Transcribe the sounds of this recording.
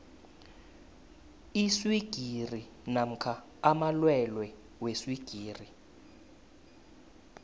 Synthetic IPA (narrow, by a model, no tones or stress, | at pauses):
iswiɡ̥ʱiri | nam̩kʰaː | malwɛlwɛ | weswiɡ̥ʱiːri